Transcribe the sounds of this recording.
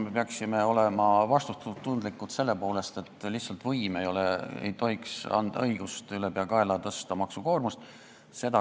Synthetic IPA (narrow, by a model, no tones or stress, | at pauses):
me̞peɑksime̞o̞lemɑvɑst̪ut̪ut̪ːund̪likːˑut̪se̞lːe̞po̞ːle̞st̪e̞t̪ːˑlihtsɑlt̪vɤjme̞jo̞leḛjt̪o̞ɦiksɑ̰nd̪̥ɑ̰ɤjɡ̥ust̪ylepeɑkɑe̞lɑt̪ɤst̪ɑmɑksuko̞ːrmust̪ | se̞d̪ɑ